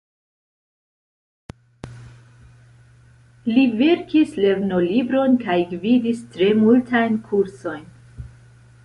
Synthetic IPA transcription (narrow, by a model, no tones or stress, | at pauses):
live̞ɾkisle̞vno̞libɾo̞nkajɡvidistɾe̞multajnkʰuɾso̞jn